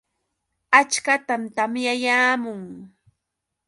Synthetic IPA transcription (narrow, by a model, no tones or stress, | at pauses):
at͡ʃkat̪amt̪amjajaːmʊŋ